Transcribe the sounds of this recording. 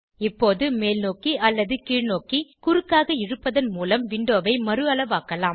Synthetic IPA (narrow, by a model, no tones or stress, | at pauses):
ɪpːoːðɯmeːlnoːkiʔɐlːɐðɯkiːɻnoːkikʊɾɯkːaːɣɐɪrɯpːɐðɐnmuːlɐmʋɪɳɖoːʋɐɪmɐɾɯɐlɐʋaːkɐlaːm